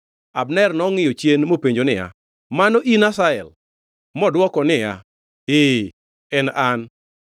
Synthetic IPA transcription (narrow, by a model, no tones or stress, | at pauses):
abnɛrnɔŋɪjot͡ʃenmopeɲd͡ʒonɪja̰ | manɔʔinasaɛl | mɔdwɔkɔnɪja | e | ɛnan